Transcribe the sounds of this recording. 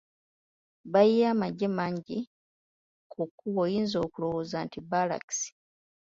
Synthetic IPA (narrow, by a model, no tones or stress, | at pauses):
bajijaːmaɟːe̞maːɲɟi | kʰukːuβoːjiːnzo̞ːkulo̞wozantibala̰ki̥si̥